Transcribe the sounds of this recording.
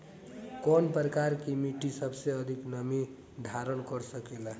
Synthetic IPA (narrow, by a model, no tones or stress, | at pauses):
kɔnpɾəkaɾkimiʈisəbʱseʌd̪ʱiknəmi | d̪ʱaɾənkəɾsəkela